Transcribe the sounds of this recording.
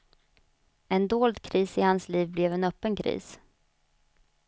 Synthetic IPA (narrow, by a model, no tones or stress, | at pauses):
ɛnd̪oːld̪kʰɾiːsɪhansliːvblɛvɛnœpːənkʰɾḭːs